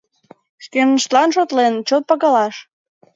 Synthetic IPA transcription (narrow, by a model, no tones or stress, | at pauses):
ʃkemnəʃt̪lɑnʃot̪lent͡ɕot̪̚pɑɣɑlɑʃ